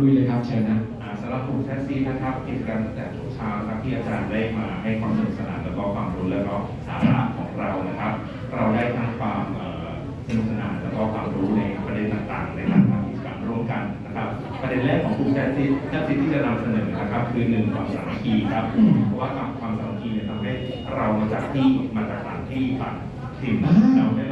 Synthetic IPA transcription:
lu˧jlɤː˧jkʰa˦˥p̚t͡ɕʰeː˧na˦˥ʔaː˨˩saː˨˦la˦˧˥pʰːuː˧˩ŋ̚sɛː˦˥si˦˥t̚na˦˥kʰa˦˥p̚ki˨˩t͡ɕa˧kaː˧nt̪a˥˩ŋt̪ɛː˨˩t̪ʰo˦˥˩k̚t͡ɕʰaː˦˥wkʰa˦˥t̪ʰiː˥˩ʔaː˧t͡ɕaː˧ndaː˥˩jmaː˧ɦa˥˩jkʰwaː˧mso˨˩˨sa˧naː˩˦lɛː˦˥kɔː˥˩kʰwaː˧mɾuː˦˥lɛː˦˥wkɔː˥˩ | sa̰ː˩˦ɾa̰˦˥ʔkʰɔː˩˦ŋɾa˧wna˦˥kʰa˦˥p̚ | ɾa˧wdaː˥˩jt̪ʰa˦˥ŋkʰwaː˧mʔɤː˨˩ | sa˧nu˩sa˧naː˨˧˩lɛː˦˥wkɔː˥˩kʰwaː˧mɾuː˦˥lɤː˧a˦pɾa˧de˧nt̪aː˨˩ŋt̪a̰ː˨˩ŋna˧˩jt̪ʰaː˦˥ŋkʰwaː˧mʔi˨˩sa̰ː˩˦nɾu˥˩əmka˧nna˦˥kʰa˦˥p̚ː | ɾa˧de˧nlːɛː˥˩kʰːɔː˨˩˦ŋkʰuː˧t͡ɕʰɛ˦˥t̪̚si˦˩t͡ɕa˦˥t̪si˨˩t̪ʰːiː˥t͡ɕa˨na˧msa˧nɤː˩˦na˦˥kʰa˦˥p̚kʰɯː˧nɯ˨˩ŋkwaː˨˩˦saː˨˩˦ŋma˦˥kʰiː˧kʰɾa˦˥p̚ːpʰɔ˦˥waː˥˩k̪a˧mkʰwaː˧msaː˨˩˦ma˦˥kʰiː˧ni˧˩t̪ʰa˧mɦa˥˩j | ɾa˧wma˧t͡ɕaː˨˩k̚t̪ʰiː˥˩ʔmaː˧t͡ɕaː˨˩k̚saː˨˩˦ŋt̪ʰiː˥˩fa̰˨˩t̚ʰ | k̚sʰi˧na˧˥˩

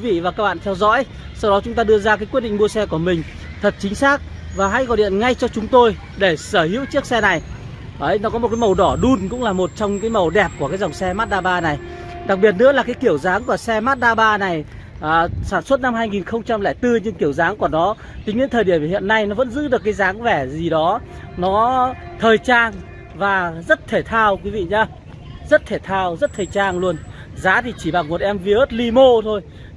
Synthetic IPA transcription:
vḭ˧˨vaː˨˩kaː˦˥k̚ɓa̰ː˧˨nt̪ʰɛ˧wzɔ̰˧˥j | sa˧wɗɔ˨˦t͡ɕʊ˨˦ŋ͡mt̪aː˧ɗɨ˧əzaː˧kaː˨˦jkwt̚ɗḭ˧˨ŋ̟mu˧əsɛ˧ku˧˩əmï˨˩ŋ̟ | t̪ʰə˨˩t̚t͡ɕï˨˦ŋ̟saː˦˥k̚vaː˨˩ɦa̰ː˧˥jɣɔ˨˩ɗḭ˧˨ənŋa˧jt͡ɕɔ˧t͡ɕʊ˨˦ŋ͡mt̪o˧j | ɗe˧˩səː˧˩hḭ˧˥əwt͡ɕi˦˥ək̚sɛ˧na˨˩j | ʔə˨˧˦jnɔ˨˦kɔ˨˦o˨˩kaː˨˦mə˨˩wɗɔ˧˩ɗu˧nkʊ̰˧˥ŋ͡mlaː˨˩mo˨˩t̚t͡ɕɔ˧wŋ͡mkaː˨˦jmə˨˩wɗɛ˨˩p̚ku˧˩əkaː˨˦jza˨˩wŋ͡msɛ˧maː˦˥t̚ɗaː˧ɓaː˧na˨˩j | ɗa˨˩k̚ɓi˨˩ət̚nɨ̰˧˥əlaː˨˩kaː˨˦jki˧˩əwzaː˨˦ŋku˧˩əsɛ˧maː˦˥t̚ɗaː˧ɓaː˧na˨˩jː | saː˧˩nswə˦˥t̚na˧mɦaː˧jŋi˨˩nxə˧wŋ͡mt͡ɕa˧mlɛ˧˩jt̪ɨ˧ɲɨ˧ŋki˧˩əwzaː˨˦ŋku˧˩ənɔ˨˦ | t͡ɕï˨˦ŋɗḭ˧˥ŋt̪ʰəː˨˩jɗi˧˩əmhḭ˧˨ənːa˧jnɔ˨˦və̰˧˥nzɨ̰˧˥ɗɨ˨˩əkːaː˨˦jzaː˨˦ŋvɛ˧˩zi˨˩ɗɔ˨˦ | nɔ˨˦t̪ʰəː˨˩jt͡ɕaː˧ŋ | vaː˨˩zə˦˥t̚t̪ʰe˧˩t̪ʰaː˧wkwi˨˦vḭ˧˨ɲaː˧ | zə˦˥t̚t̪ʰe˧˩t̪ʰaː˧wzə˦˥t̚t̪ʰəː˨˩jt͡ɕaː˧ŋlu˧ən | zaː˨˦t̪ʰi˨˩t͡ɕi˧˩ɓa˨˩ŋmo˨˩t̚ʔɛ˧mvi˧ʔəː˦˥t̚li˧mo˧t̪ʰo˧j

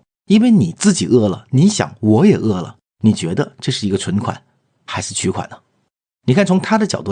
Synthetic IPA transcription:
i˥nwe˥˧ɪni˨˩t͡sɹ̩˥˩t͡ɕi˨˩ʔɤ˥˩lə̰˩ni˧˥ɕjɑ̰˨˩ŋwɔ˧˥jɛ˨˩ʔɤ˥˩lə̰˩ | ni˨˩t͡ɕɥɛ˧˥d̪ə˧ʈ͡ʂɤ˥˧ʂɻ̩˥˩i˧˥ɡə˧ʈ͡ʂʰwə˧˥nkʰwa̰˨˩˦n | xa˧˥ɪʂɻ̩˥˩t͡ɕʰy˧˥kʰwa̰˨˩nd̪ə˦ | ni˨˩kʰa˥˩nt͡sʰʊ˧˥ŋt̪ʰa˥d̪ə˨t͡ɕjɑ˨˩ʊt̪u˥˧

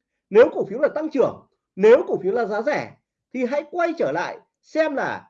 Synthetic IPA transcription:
ne˨˦wkʊ˨˩k̚fi˨˦wlaː˨˩t̪a˧ŋt͡ɕɨ˧˩əŋ | ne˨˦wkʊ˧˨˩fi˨˦wlaː˨˩zaː˨˦zɛ˧˩ | t̪ʰi˨˩ɦa̰˧˥jkwa˧jt͡ɕəː˧˩la̰ː˧˨j | sɛ˧mlaː˨˩

